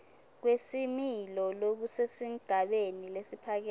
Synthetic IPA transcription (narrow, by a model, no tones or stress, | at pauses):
k̬wesimilɔlok̬usesiŋ̩ɡ̥ʱaɓenilesipʰak̬ɛ